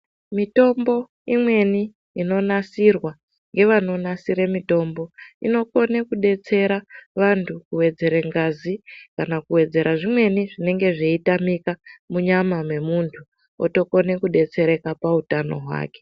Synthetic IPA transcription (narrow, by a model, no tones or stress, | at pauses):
mito̞mbo̞ | imwe̞ni | ino̞nasirwa | ŋɡe̞ʋano̞nasiɾemito̞mbo̞ino̞ko̞ne̞kuɗe̞t͡se̞ɾaʋantʰukuwe̞d͡ze̞ɾeŋɡazikanakuwe̞d͡ze̞ɾaʐimwe̞niʐine̞ŋɡe̞ʐeitamikamuɲamamwe̞muntʰu | o̰to̞ko̞ne̞kuɗe̞t͡se̞ɾe̞kapautano̞̰ɦwa̰ːke̞̥